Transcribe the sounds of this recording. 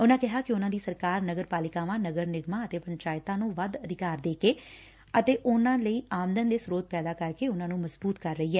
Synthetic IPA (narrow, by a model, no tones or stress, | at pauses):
ʊnãːkɪɦaːkɪʊnãːd̪iːsəɾkaːɾnəɡəɾpaːlɪkaːʋãːnəɡəɾnɪɡmãːət̪eːpəɲt͡ʃaːɪt̪ãːnũːʋəd̪əd̪ɪkaːɾd̪eːkeː | ət̪eːʔʊnãːləiːʔaːmd̪ənd̪eːsʊɾoːt̪̚pɛːd̪aːkəɾkeːʊnãːnũːməzbuːt̪kəɾːəiːɛː